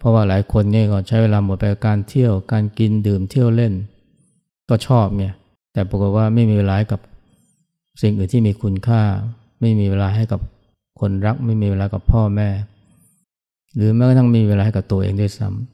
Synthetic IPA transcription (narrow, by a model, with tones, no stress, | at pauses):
pʰɔ˦˥waː˥˩laː˩˦jkʰo˧nŋi˥˩˨kɔː˥˩t͡ɕʰa˦˥jweː˧laː˧mu˨˩˦npa˧jka˨˩kaː˧nt̪ʰi˥˩əwkaː˧nki˧ndɯː˨˩mt̪ʰi˥˩əwle˥˩n | kɔː˥˩t͡ɕʰɔː˥˩p̚ŋi˥˩ɐ | t̪ɛː˨˩pɾa˧ko˨˩t̪̚waː˥˩ma˥˩jmiː˧weː˧laː˧ha˥˩jka˨˩p̚ | si˨˩ŋʔɯː˨˩nt̪ʰiː˥˩miː˧kʰu˧nkʰaː˥˩ | ma˥˩jmiː˧weː˧laː˧ɦa˥˩jka˨˩p̚ | kʰo˧nɾa˦˥k̚ma˥˩jmiː˧weː˧laː˧˩ka˨˩pʰːɔː˥˩mɛː˥˩ | ɾɯː˩˦ma˧˥jkːt̪ʰa˥˩ŋmai˧weː˧la˧hka˨˩p̚t̪u˧əʔḛː˧ŋdu˥˩˨jsa̰˦˥m